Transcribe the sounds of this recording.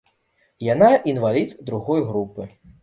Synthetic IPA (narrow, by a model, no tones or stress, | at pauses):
janaʔinvalʲit̪d̪ɾuɣɔjɣɾupɨ